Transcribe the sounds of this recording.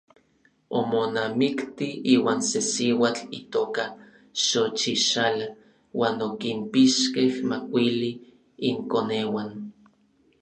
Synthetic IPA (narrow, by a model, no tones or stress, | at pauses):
omonamikt̪iiːwaːnsesiwaːt͡ɬit̪oːka | ʃot͡ʃiʃala | waːnokimpiʃkehmakʷiliː | ŋkoneːwan